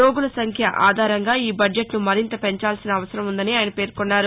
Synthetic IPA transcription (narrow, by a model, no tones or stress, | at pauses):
oːɡulɐsɐŋkʰjɐʔʔaːd̪ʱaːɾɐŋɡaːiːbɐɖeʈnumɐɾint̪ɐpe̞ɲt͡ʃaːlsinɐːʋɐsɐɾɐmund̪ɐniaːjnɐpe̞ːɾkonːaːɾu